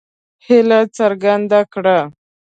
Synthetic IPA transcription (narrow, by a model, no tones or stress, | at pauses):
hɪlat͡saɾɡand̪akɽa